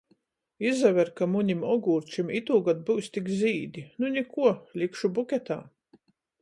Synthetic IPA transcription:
izavʲɛɾkamuɲimɔɡuːɾt͡ʃimit̪uːɡad̪̚buwsʲt̪ikziːd̪ʲinunʲikuɔlʲikʃubukʲɛt̪a̰ː

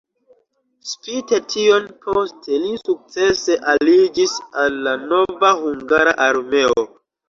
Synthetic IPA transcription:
spite̞tʰio̞npʰostʰe̞lisuk̚t͡se̞se̞ʔalid͡ʒisalːano̞vahuŋɡaɾaʔaɾme̞o

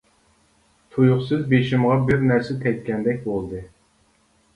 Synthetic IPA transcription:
t̪ʰujʊχsɨzbeʃɪmʁɑbɪɾnæɾsɛt̪ʰɛjt̪̚kʲɛnd̪ɛkʲbolˠd̪ɨ

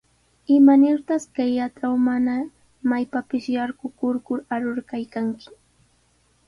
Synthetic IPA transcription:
ɪmanɪɾt̪askajːat͡sawmana | majpapɪʃjaɾɢʊkʊɾkʊɾaɾoɾkajkaŋkɪ̥

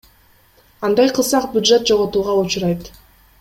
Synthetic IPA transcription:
ɑnd̪ɑjqʰɯlˠsɑqbʲjʊd̪ʒe̞t̪̚d͡ʒo̞ʁot̪uːʁɑut͡ʃuɾɑjt̪

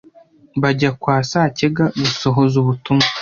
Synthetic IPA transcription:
βaɟakwaːsaːce̞ɡaɡuso̞ɦo̞zuβutuma

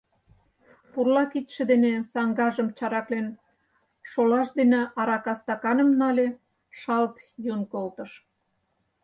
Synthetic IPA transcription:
purlɑkit̪ʃĕd̪enesɑŋɡɑʒəmt͡ɕɑɾɑklen | ʃolɑʃd̪eneʔɑɾɑkɑst̪ɑkɑnə̆mnɑlʲe | ʃɑlt̪junkolt̪ə̆ʃ

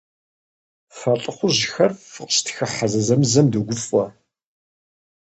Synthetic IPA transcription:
fɐɬʼɨχʷʊʑɪxɐrfɨqʃtʰxɐħazɐzɐmɨzɐmdɐɡʷʊfʼɔ

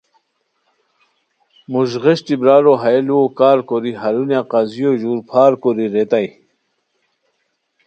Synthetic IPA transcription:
muʑʁeɕʈ̪ibɾaːɾoɦajelokaːɾkoɾiɦaɾunjaqɑzijoʑuːɾpʰaːɾkoɾiɾet̪aj

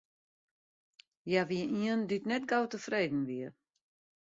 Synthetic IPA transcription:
jaʋiəiəndytnɛtɡowtəfreːdn̩ʋiə

